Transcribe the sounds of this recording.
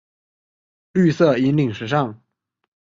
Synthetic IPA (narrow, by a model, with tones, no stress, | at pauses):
ly˥˧sɤ˥˩i˧˥nli˨˩ŋʂɻ̩˧˥ʂɑ˥˩ŋ